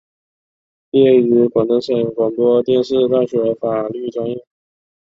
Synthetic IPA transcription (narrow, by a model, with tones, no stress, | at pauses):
jɛ˥˩y˧˥kwɑ˨˩ŋnə˧˥ŋʂə˨˩ŋkwɑ˨˩ŋp̪wɔ˥t̪jɛ˥˧nʂɻ̩˥˧t̪a˥˩nʂwe˧˥ɪfa˨˩ly˥˩ʈ͡ʂwa˥njɛ˥˩